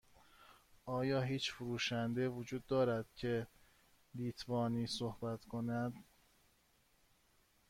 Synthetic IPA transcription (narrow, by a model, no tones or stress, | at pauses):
ʔɒːjɒːɦiːt͡ʃfuɾuːʃænd̪evod͡ʒuːd̪ːɒːɾæd̪̥̚cʰe̞ | liːt̪ʰvɒːniːsohbæt̪ʰkʰo̞næd̪